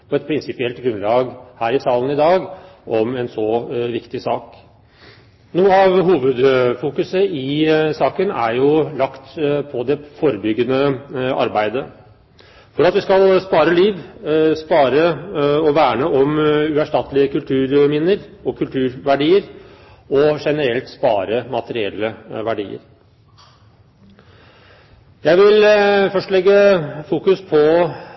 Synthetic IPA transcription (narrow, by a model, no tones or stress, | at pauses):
pʰɔɛt̪̚pʰɾɪnsɪpɪɛlt̪ɡɾʉnlɑːɡhæːɾɪsɑːlənɪd̪ɑːɡʔɔmɛnsɔʋɪkt̪ɪsɑːk | nuːəɑʋɦuːʋəd̪fuːkʉsəɪsɑːkənæ̰ɾjʊlɑkt̪pʰɔd̪ɛfɔɾəbʏɡːənəɑ̰ɾbæɪd̪ə | fɔɾɑt̪ʋɪskɑlspɑːɾəliːʋspɑːɾəɔʋæːɳəʔɔmʉæʂʈɑt̪lɪəkʉlt̪ʰʉːɾmɪnːəɾɔkʰʉlt̪ʰʉːɾʋæɖiːəɾ | ɔʂɛnəɾɛlt̪spɑ̰ːɾəmɑt̪əɾɪɛ̰lːəʋæɖḭːə̰ɾ | jæɪʋɪlfœʂʈlɛɡːəfuːkʉspʰɔ